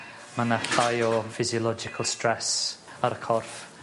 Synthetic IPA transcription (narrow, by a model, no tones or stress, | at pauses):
manaɬajɔfɪziɔlˠɔd͡ʒɪkʰəlˠstrɛs | aɾəkʰɔrf